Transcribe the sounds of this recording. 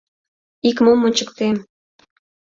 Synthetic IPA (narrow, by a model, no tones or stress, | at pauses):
ikmomonʲt͡ɕəkt̪em